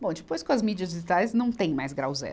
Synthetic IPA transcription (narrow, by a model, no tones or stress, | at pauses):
bõw̃d͡ʒɪpojskõɐzmid͡ʒiɐzd͡ʒɪʒit̪ajznɐ̃w̃t̪ẽj̃majzɡɾawzɛ̰